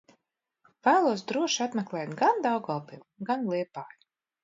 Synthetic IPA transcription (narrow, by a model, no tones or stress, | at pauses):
væːlˠuɔsd̪ɾuɔʃat̪mɛklˠɛːt̪ɡand̪awɡɔlˠpilˠɡanlˠiɛpaːj